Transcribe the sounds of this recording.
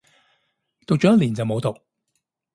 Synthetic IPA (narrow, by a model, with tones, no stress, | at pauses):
t̪o˨k̚t͡ʃɔ˨˥jɐ˥liː˨˩nt͡sɐ˨wmo˨˧wt̪o˨˩k̚